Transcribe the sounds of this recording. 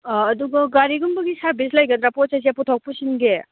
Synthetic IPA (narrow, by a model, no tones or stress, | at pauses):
duɡɐɡaɾiɡumbɐɡisaɾbislajɡɐd̪ɾaposajs̬eputʰɔk̚pusinɡe